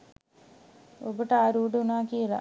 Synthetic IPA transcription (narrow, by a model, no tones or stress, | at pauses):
obəʈaːɾuːɖəunaːkijelɐ̰